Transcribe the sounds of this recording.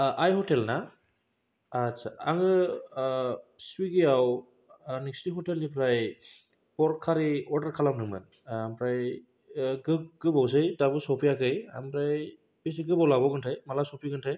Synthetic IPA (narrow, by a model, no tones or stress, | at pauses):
ʔajhɔtelna | tsaaŋɯ | swiɡijaw | nikstiɦɔtelnipʰɾaj | pɔɾkʰːaɾiɔɾdaɾkʰalapnɯmɯ̰n | ampʰɾaj | ɡɯɡɯbaws̬ɯjtabɯsɔpʰijakɯja̰mpʰɾaj | bisiɡɯbɔwlabɔɡɯntʰajmalasɔpʰiɡɯntʰaj